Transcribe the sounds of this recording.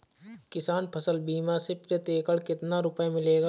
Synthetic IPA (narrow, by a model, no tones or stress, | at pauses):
kɪsaːnpʰəsəlbiːmasɪpɾet̪eːkəɽkɪt̪naɾʊpemɪleːɡa